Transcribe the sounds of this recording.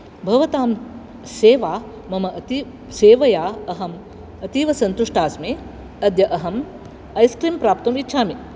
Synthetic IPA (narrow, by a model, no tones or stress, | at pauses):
bʱɐʋɐt̪aːm | seːʋaː | mɐmɐʔɐt̪i | seːʋɐjaːɐɦɐm | ɐt̪iːʋɐsɐnt̪uʂʈaːsmeː | ɐd̪jɐʔɐɦɐm | ɐjskɾiːmpɾaːp̚t̪ɐmitːʃʰaːmi